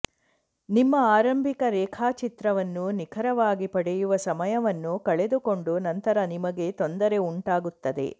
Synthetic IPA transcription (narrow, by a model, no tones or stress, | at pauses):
nimːɐaːɾɐmbʱikɐɾɛːkʰaːt͡ʃit̪ɾɐʋɐnːunikʰɐɾɐʋaːɡipɐɽejuʋɐsɐmɐjɐʋɐnːukɐɭe̞d̪uko̞ɳɖunɐnt̪ɐɾɐnimɐɡe̞t̪o̞nd̪ɐɾe̞uɳʈaːɡut̪ːɐd̪e̞̰